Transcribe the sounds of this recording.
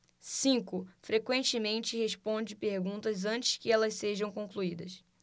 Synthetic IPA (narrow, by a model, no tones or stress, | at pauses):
sĩŋkʊfɾekwẽnt͡ʃɪmẽnt͡ʃɪheʃpõnd͡ʒɪpeɾɡũnt̪ɐzɐ̃t͡ʃɪ̥skɪɛlɐsseʒɐ̃w̃kõŋkluid̪ɐs